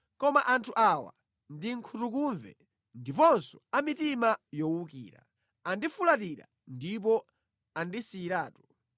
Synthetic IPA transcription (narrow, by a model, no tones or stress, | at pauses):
kɔmaʔantʰuʔawa̰ | ndiŋ̩kʰutukuɱvɛ̰ | ndipɔnsɔ̥amitimajɔwukḭːɾa̰ | andifulat̬iɾa̰ | ndip̬ɔ | andisiːɾaːtu̥